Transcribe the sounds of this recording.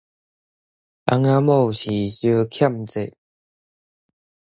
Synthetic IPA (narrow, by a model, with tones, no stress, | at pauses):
a̰˧˦ŋa˦mo˥˨ɕi˨˩ɕjə˧kʰja˥˨mt͡se˨ʔ